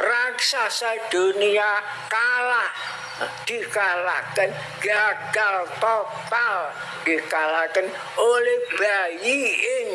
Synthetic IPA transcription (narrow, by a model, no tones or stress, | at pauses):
raksasad̪̥onia | kalah | d̪̥ikalakən | ɡ̥aɡ̥alt̪ɔtal | d̪̥ikalakən | olehb̥ajiɪŋ